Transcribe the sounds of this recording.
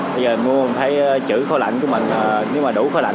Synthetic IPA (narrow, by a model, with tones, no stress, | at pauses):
ɓə˧jzəː˨˩mu˧˨˩nt̪ʰə˨˦jt͡ɕɨ̰˧˩xo˧la̰˧˨jŋ̟ku˧˦əmï˨˩ŋ̟əː˨˩ne˨˦wmaː˨˩ɗu˧˩˦xɔ˧˦la̰˧˨